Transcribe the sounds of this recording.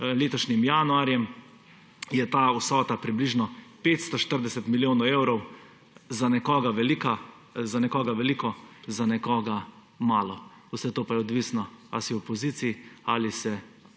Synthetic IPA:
leːt̪ɔʃnimjanuaɾjɛm | jɛt̪aːusɔːt̪apɾibliʒnɔpeːt̪st̪ɔʃt̪əɾd̪ɛsɛt̪miljoːnɔewɾɔw | zanɛkɔːɡaʋɛlika | zanɛkɔːɡaʋɛlikɔzanɛkɔːɡa | maːlɔ | usɛt̪oːpajɛɔd̪ʋisnɔa̰siwɔpɔziːt̪siialisɛ

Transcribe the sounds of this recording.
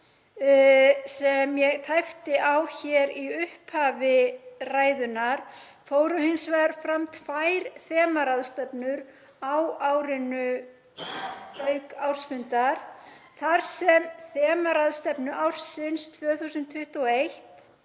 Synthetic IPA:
sɛmjɛɣt̪ʰajft̪ɪʔawçɛɾiʏhphavɪraːjðʏnaɾ̥ | foːwɾʏhɪnsvaɾ̥fɾamt̪fajɾθɛːmaɾaðst̪ɛpnʏɾ | awaːwɾɪnʏ | œɥkawɾ̥sfʏnt̪aɾ̥θaɾ̥sɛmθɛːmaɾaðst̪ɛpnʏʔawɾ̥sɪnst̪ʰvœːθusʏnt̪ʰʏht̪uɔejht̪

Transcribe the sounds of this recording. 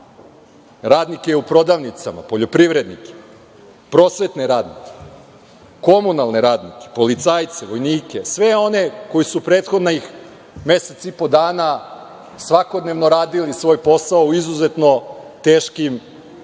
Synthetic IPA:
ɾaːd̪nikeupɾo̞d̪aʋnit̪sa̰ma̰po̞ʎopɾiʋɾe̞d̪nike̥ | pɾo̞ːsʋe̞t̪neɾaːd̪nike̥ | ko̞munalˠneɾaːd̪nike̥po̞lit̪saːjt̪seʋo̞jniːke̞sʋe̞o̞ne̞ko̞jisupɾe̞ːt̪xo̞d̪naix | me̞set̪sipo̞d̪aːna | sʋako̞d̪ne̞ʋnoɾaːd̪ilisʋo̞ːjpo̞saouizuze̞t̪no̞t̪e̞ːʃkim

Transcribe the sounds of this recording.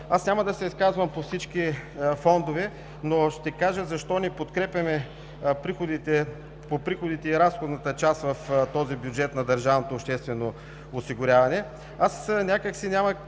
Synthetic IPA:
asnʲamɐd̪ɐsɛiskazvɐmpofsit͡ʃk̟ifɔnd̪ovɛ | noʃt̪ɛkaʒəzɐʃt̪ɔnɛpot̪kɾɛpʲjɐmɛ | pɾixod̪it̪ɛ | popɾixod̪it̪ɛiɾasxod̪nɐt̪ət͡ʃast̪vɐft̪ɔzibjud͡ʒɛt̪nɐd̪ɐɾʒavnot̪oːpʃt̪ɛst̪vɛno | ʊsiɡʊɾʲavɐnɛ | asnʲakəksinʲamɐ

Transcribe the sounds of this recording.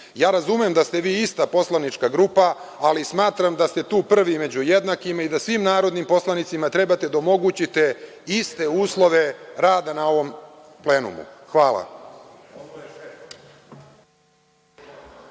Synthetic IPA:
jaːɾazumemd̪ast̪e̞ʋiːist̪apo̞slˠanit͡ʃkaɡɾuːpaː | lismaːt̪ɾamd̪ast̪e̞t̪uːpr̩ʋime̞d͡ʑujed̪nakimaid̪asʋimnaːɾo̞d̪nimpo̞slˠanit̪simat̪ɾe̞bat̪e̞d̪aomo̞ɡut͡ɕit̪e̞ | ist̪e̞uːslˠo̞ʋe̞ɾaːd̪anao̞ʋo̞m | ple̞ːnṵmṵxʋaːla̰

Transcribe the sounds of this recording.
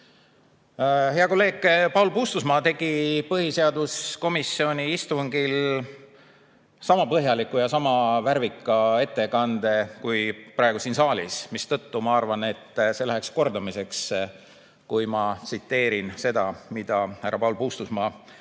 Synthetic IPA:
he̞ɑko̞lːe̞ːɡ̥pɑwlpuːst̪usmɑːt̪e̞ɡ̥ipɤhise̞ɑd̪̥usko̞misːio̞nʲiist̪uŋɡ̥il | sɑmɑpɤɦjɑlikːˑujɑsɑmɑvæɾvikːˑɑe̞t̪ːe̞kɑnd̪e̞kujpɾɑˑeɡ̥usiːnsɑːlʲḭsmist̪ɤt̪ːumɑɑrvɑne̞t̪ːse̞læɦeksko̞rd̪̥ɑmise̞ks | kujmɑt̪sit̪ːe̞ːɾinse̞d̪̥ɑmid̪̥ɑhæɾɑpɑulpuːst̪usmɑː

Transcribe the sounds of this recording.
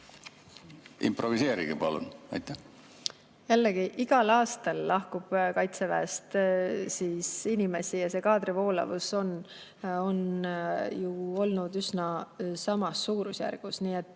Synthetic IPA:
ḭmprovise̞ːɾḭɡ̥epɑlṵnɑ̰jt̪ːˑæ | jælːeɡ̥iʔiɡ̥ɑlɑːst̪ɑlːɑhkub̥kɑjt̪sevæ̰est̪siːsinime̞sijɑse̞ːkɑːd̪ɾivo̞ːlɑ̰vuso̞n | o̞n | juo̞lnud̪ysnɑsɑmɑsːuːɾusjæ̰rɡ̥usniːet̪ːˑ

